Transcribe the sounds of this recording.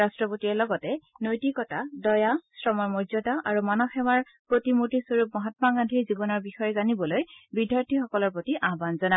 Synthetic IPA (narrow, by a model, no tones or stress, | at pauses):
ɹastɹɔpotiɛlɔɡɔtɛnojtikɔtadɔjasɹɔmɔɹmɔɹzɔtaʔaɹumanɔxɛwaɹ | pɹotimutisoɹup̚mɔɦatmaɡandʱiɹzibɔnɔɹbixɔjɛzanibɔlojbidʱjaɹtʰixɔkɔlɔɹpɹotiʔaɦbanzɔna